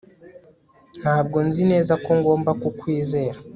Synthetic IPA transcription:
n̥haːbɡo̞nzine̞ːzako̞ŋɡo̞ːmbakukwiːze̞ːɾa

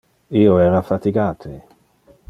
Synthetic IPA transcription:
iːoɛːɾafat̪iɡaːt̪ʰe

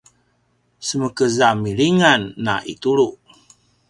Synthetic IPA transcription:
səməkəzamiɭiŋanːa̰ʔḭt̪uɭuʔ

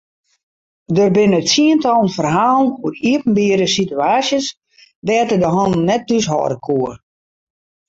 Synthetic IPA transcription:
dərbɪnətsiəntɔlˠənfərɦaːlˠnuəriəpn̩biəɾəsityaːsjəs | dɛːtədəɦɔn̩nːɛt̚dysɦɔ̰ːɾəkʰuər

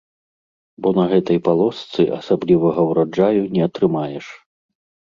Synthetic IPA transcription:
bɔnɐɣɛt̪ɐjpalˠɔst̪sɨʔɐsablʲivɐɣɐwɾad͡ʐajunʲɛɐt̪ɾɨmajɛʂ

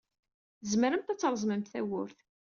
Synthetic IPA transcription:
əzməɾəmt̪æt͡sːɾˤəzˤməmt̪θæwʊɾθ

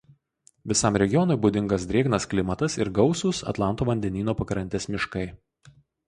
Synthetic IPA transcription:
ʋʲɪsɑˑmɾʲɛɡʲɪjɔnʊɪbʊd̪ʲɪŋɡɐs̬d̪ʲɾʲeːɡnɐsklʲɪmɐt̪ɐsɪɾɡɒʊsʊsɐ̰t̪lˠɑˑnt̪uːʋɐnʲd̪ʲɛnʲiːnoːpɐkɾɐnʲt̪ʲɛsmʲɪʃkɐɪ

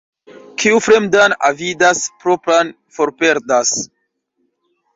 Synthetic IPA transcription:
kʰiufɾe̞mdana̰vidaspɾo̞pɾan | foɾpe̞ɾdas

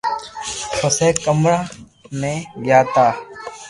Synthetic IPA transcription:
kʰoseːkːəmɾaː | nẽːɡjaːt̪aː

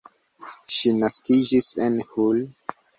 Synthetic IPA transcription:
ʃinaskid͡ʒisenhul

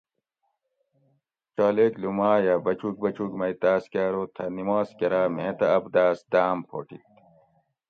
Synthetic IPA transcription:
t͡ɕaːleːklumaːjɐːbɐt͡ɕuk̚bɐt͡ɕukmɐjt̪aːskaːɾoːt̪ʰɐnimaːskɐɾaːmẽːt̪ɐːbd̪aːsd̪aːmpʰo̰ːʈit̪

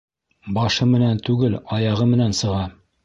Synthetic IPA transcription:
bɑʃɤmɘ̆nænt̪ʉɡɘlɒjɑʁɤmɘ̆nænsɤ̆ʁɑ

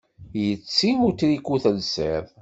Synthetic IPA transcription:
jət͡sːimut̪ɾikːuθəlseðˤ

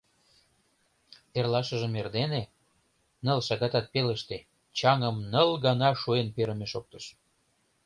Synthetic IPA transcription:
erlɑʃə̆ʒə̆merd̪ene | nəlʃɑɣɑt̪ɑt̪̚peləʃt̪e | t͡ɕɑŋəmnəlɡɑnɑʃuenpeɾə̆meʃok̚t̪əʃ

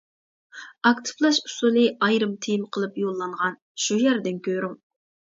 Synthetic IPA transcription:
ɑkt̪ʰɨ̥plˠɑʃu̥sulˠɨɑjɾɨmt̪ʰijimqʰəlˠɨpjolˠːɑɴʁɑn | ʃujæɾd̪ɪnkʲøɾym

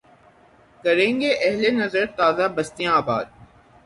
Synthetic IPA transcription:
kɐɾẽːŋɡeʔɛɦlenɐzəɾt̪aːzabɐst̪ijãaːba̰ːd̪̚

